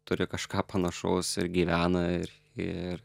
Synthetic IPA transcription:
t̪ʊɾʲɪkɐʃkɑːpɐnɐʃoːsɪ̰ɾɡʲiːʋʲæːnɐɪɾ | ɪɾ

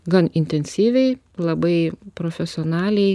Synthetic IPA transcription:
ɡɐnɪnʲt̪ʲɛnʲsʲiːʋʲɛɪ | lˠɐbɐɪpɾoːfʲɛsʲɪoːnɑːlʲɛɪ

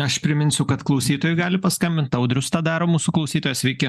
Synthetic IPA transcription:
ɐʃpʲɾʲɪmʲɪnʲsʲʊkɐt̪klˠɒʊsʲiːt̪oːjʊɡɑːlʲɪpɐskɐmʲbʲɪnt̪ɐʊd̪ʲɾʲʊst̪ɑːd̪ɑːɾoːmuːsuklˠɐʊsʲiːt̪ojoːsʲʋʲɛɪkʲɪ

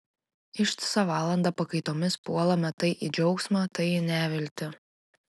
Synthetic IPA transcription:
ɪʃʲt̪ʲɪ̥sɐʋɑːlˠɐnd̪ɐpɐkɐɪt̪oːmʲɪspuɔlˠɐmʲɛt̪ɐɪʔid͡ʒʲɔʊksmɑːt̪ɐɪnʲæːʋʲɪlʲt̪ʲɪ

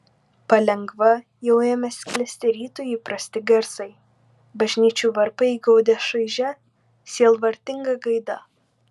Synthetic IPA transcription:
pɐlʲɛŋɡʋɐ | jɛʊjɛmʲɛsʲkʲlʲɛsʲt̪ʲɛɾʲiːt̪oːjiːpɾɐsʲt̪ʲɪɡʲɛɾsɐɪ | bɐʒʲnʲiːt͡ʃʲuːʋɐɾpɐiːɡɐʊd̪ʲɛʃɐɪʒʲɛ | sʲiɛlˠʋɐɾʲt̪ʲɪŋɡɐɡɐɪd̪ɐ

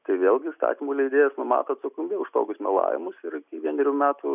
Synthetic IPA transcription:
t̪ɐɪʋʲeːlˠɡʲɪst̪ɑ̰ːt̪ʲiːmuːlʲɛɪd̪ʲeːjɛsnʊmɑ̰ːt̪oɐt̪sʊkʊmʲbʲeʊʃt̪oːkʲʊsmʲɛlˠɑ̰ːʋʲɪ̰mʊsɪɾɪkʲɪʋʲiɛnʲɾʲuːmʲæːt̪u

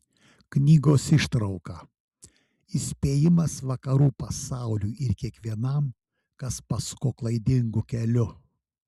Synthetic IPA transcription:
knʲiːɡoːsɪʃt̪ɾɐʊkɑː | ɪsʲpʲeːjɪmɐsʋɐkɐɾuːpɐsɑˑʊlʲuːʔɪɾkʲiɛkʋʲiɛnɐm | kɐspɐskoːklˠɐɪd̪ʲɪŋɡʊkʲɛlʲʊ

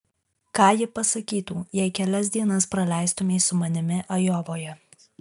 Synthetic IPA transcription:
kɑːjɪpɐsɐkʲiːt̪uːjɛɪkʲɛlʲɛsʲd̪ʲiɛnɐspɾɐlʲæˑɪst̪ʊmʲeːsʊmɐnʲɪmʲɪʔɐjoːʋoːjɛ

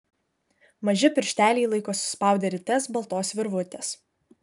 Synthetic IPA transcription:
mɐʒʲɪpʲɪɾʲʃʲt̪ʲæːlʲɛːlˠɐɪkoːsʲʊ̥spɑˑʊd̪ʲeɾʲɪt̪ʲɛsbɐlˠt̪oːsʋʲɪɾʋʊt̪ʲes

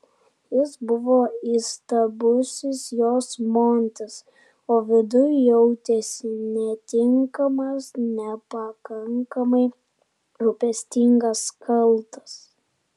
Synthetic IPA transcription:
jɪsbʊʋoːist̪ɐbʊsʲɪsjoːsmoːnʲt̪ʲɪs | oːʋʲɪd̪ʊjʊjɛʊt̪ʲɛsʲɪnʲɛt̪ʲɪŋkɐmɐsnʲɛpɐkɐŋkɐmɐɪ | ɾʊpʲɛsʲt̪ʲɪŋɡɐskʰɐlˠˑt̪ɐ̥s

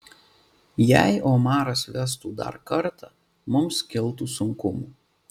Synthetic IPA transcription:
jæɪʔoːmɑːɾɐsʋʲɛst̪uːd̪ɐ̰ɾkɐɾt̪ɑ | mʊmskʲɪlˠˑt̪uːsʊŋkʊmuː

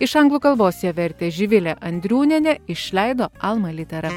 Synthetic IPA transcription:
ɪʃɐŋɡlˠuːkɐlˠʋoːsʲjɛːʋʲɛɾʲt̪ʲeːʒʲɪʋʲɪlʲɛʔɐnʲd̪ʲɾʲuːnʲɛnʲɛɪʃʲlʲɛˑɪd̪oːɐlˠmɐlʲɪt̪ʲɛɾɐ

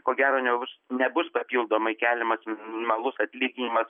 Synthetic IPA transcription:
koːɡʲæːɾoːnʲɛbbʊsnʲɛbʊspɐpʲiːlˠd̪oːmɐɪkʲæːlʲɪmɐsmʲnnnʲɪmɐlˠʊsɐt̪ʲlʲiːɡʲɪnʲɪmɐs

